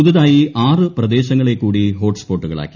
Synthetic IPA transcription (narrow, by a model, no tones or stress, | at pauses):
uðɐðaːjiʔaːrɨprɐd̪e̞ːɕɐŋːɐɭe̞kːuːɽiɦo̞ːʈspo̞ːʈːuɣɐ̰ɭa̰ːkʲːi̥